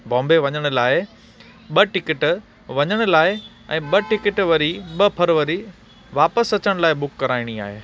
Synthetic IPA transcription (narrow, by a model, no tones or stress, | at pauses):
bɔ̃ːmbeʋɐɲəɽ̃ʊ̆laːɪ | ɓɐʈɪkɪʈ | ʋɐɲəɽ̃ʊ̆laːɪ | ɛ̰̃ːɓɐʈɪkɪʈʋɐɾiɓɐpʰɐɾʋɐɾi | ʋaːpəsɐt͡ɕəɽ̃laːɪɓʊkːɐɾaːɪɽ̃ia̰ːɦeː